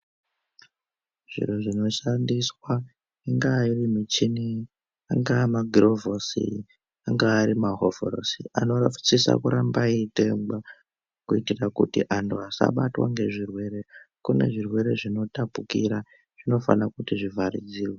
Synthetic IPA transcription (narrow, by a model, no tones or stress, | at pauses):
ʐ̥ḭruʐino̞ʃandiswa | iŋɡaːirimit͡ʃini | aŋɡamaɡʱirovosḭ | aŋɡaːɾimaɦoveɾo̰siano̞rafu̥t͡sisa̰kuɾambaitemba | kuitirakutiʔanduasa̰ɓatwa̰ŋɡe̞ʐirwe̞ɾe̞kune̞̰ʐirwe̞ɾe̞ʐino̞tapukiɾa | ʐ̥ino̞fa̰nakutiʐivʱaɾid͡ziːwa